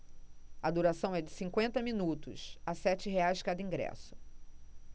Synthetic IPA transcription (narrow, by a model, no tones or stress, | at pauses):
ɐd̪uɾasɐ̃w̃ɛd͡ʒɪsĩŋkwẽnt̪ɐmĩnut̪ʊ̰sasɛt͡ʃɪɦeajzd͡ʒɪ̥kad̪ɐĩŋɡɾɛ̰sʊ̥